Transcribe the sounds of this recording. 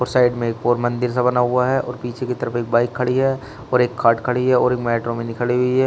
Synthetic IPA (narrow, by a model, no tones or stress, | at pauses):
ɔːɾsaːɪɖmẽeːk̚poːɾmɐ̃nd̪ɪɾs̬abɐnaɦʊaɦɛʔɔ̰ːɾpiːt͡ʃʰekit̪ɐɾəfeːk̚baːɪkʰːɐɽiɦɛː | ɔːɾeːkʰːaːʈkʰɐɽiɦɛɔːɾeːkmɛːʈɾõmẽnɪkəɭiɦʊiɦɛː